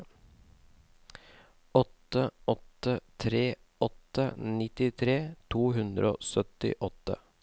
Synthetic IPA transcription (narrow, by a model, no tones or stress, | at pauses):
ɔt̪əɔt̪ət̪ʰɾeː | ɔt̪ənɪt̪ɪt̪ʰɾeːt̪ʰuːɦʉnd̪ɾʔo̰ːsœt̪ɪ̰ʔɔt̪ə̰